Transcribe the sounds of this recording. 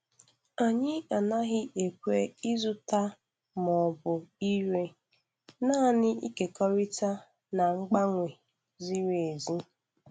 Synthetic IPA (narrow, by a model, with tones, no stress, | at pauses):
a˨ɲɪ˦a˨na˦ɦɪ˦ʔe˨kʷe˦i˦zʊ˦ta˦ | mɔ˨bʊ˨i˦ɾe˦ | na˦˨nɪ˦ḭ˦ke˨kɔ˦ɾi˦ta˦ | na˨ŋ͡m̩˦ɡ͡ba˦ŋʷe˨ | zi˦ɾe˨zi˦